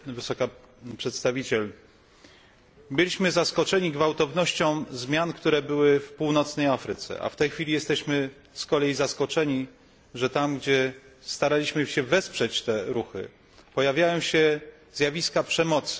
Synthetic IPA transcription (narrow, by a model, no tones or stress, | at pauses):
vɘsɔka | pʂɛt̪st̪avʲit͡ɕɛl | bɘlʲiɕmɘzaskɔt͡ʂɛɲiɡvawt̪ɔvnɔɕt͡ɕɔ̃w̃zmʲjankt̪uɾɛbɘwɘfpuwnɔt̪snɛjafɾɘt̪sɛ̰ʔa̰ft̪ɛjxfʲilʲijɛst̪ɛɕmɘ | skɔlɛjzaskɔt͡ʂɛɲi | ʐɛt̪amɡd͡ʑɛst̪aɾalʲiɕmɘɕɛvɛspʂɛt͡ɕt̪ɛɾuxɘ̰ | pɔjavʲjajɔ̃w̃ɕɛ | z̥javʲiskapʂɛmɔt̪s